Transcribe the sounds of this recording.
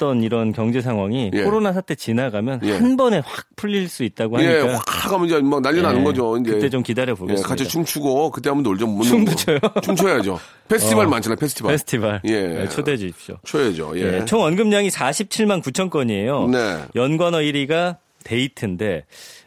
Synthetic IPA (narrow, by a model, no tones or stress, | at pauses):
t͈ʌniɾʌnkjʌŋd͡ʑe̞s̬ʰaŋɦwaŋikʰoɾonasʰat͈ʰe̞t͡ɕinaɡamjʌnjeanbʌne̞ɸwak̚pʰuʎːiɭs͈uit̚t͈aɡohaaɲeikawak̚aɡamd͡ʑemak̚naʎːinanɯnɡʌd͡ʑoind͡ʑɯet͈e̞t͡ɕomkidaɾjʌboɡekat͡ɕʰit͡ɕʰumt͡ɕʰuɡokɯt̬͈ːeamuntoɭd͡ʑʌmmonomoojoomt͡ɕʰoed͡ʑo | pʰesʰtʰibaɭmant͡ɕʰanapʰesʰɯ̥tʰibpesʰɯ̥tʰibaɭjjejḛt͡ɕʰoded͡ʑoɕip̚t͡ɕ͈o̰t͡ɕʰoed͡ʑo̰jejet͡ɕʰoŋʌnɡɯmɲaŋisʰaɕʰip̚t͡ɕʰiɭmankut͡ɕʰʌnk͈ʌɲie̞jonejʌnɡwʌnʌiɾiɡa | te̞itʰɯnde̞